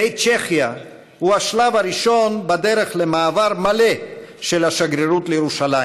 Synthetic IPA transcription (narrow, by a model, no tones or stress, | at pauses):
ejt͡ʃeχja | huhaʃlavaɾiʃo̞nbad̪eɾeχlemaːvaɾmaleʃelhaʃaɡɾeɾut̪lejeʁuʃalaj